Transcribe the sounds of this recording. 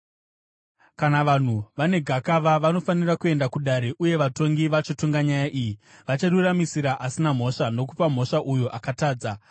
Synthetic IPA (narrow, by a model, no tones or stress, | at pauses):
kanaʋan̤uʋane̞ɡʱakaʋaʋano̞fanirakue̞ndakuɗaɾe̞ʔuje̞ʋato̞ŋɡiʋat͡ʃotoŋɡaɲajaʔiːjiʋat͡ʃaruramisiɾaʔasinam̤o̞ʂano̞k̬upam̤o̞ʂaʔujoʔakataːd͡za